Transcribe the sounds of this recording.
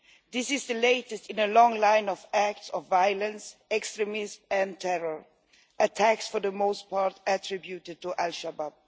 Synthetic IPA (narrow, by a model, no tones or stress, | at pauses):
ðɪsɪzðəleɪtɨstɪ̃nəlɔ̃ŋlãɪ̃nɔvæk̚tsɔvːajlə̃nsɛkstɹɛmɪzmɨ̃ntʰɛɹəɹ | ʔətʰæksfə˞ðəmoʊst̚pʰɑɹtətʰɹɪbjutɪd̚tuʔælʃabab̚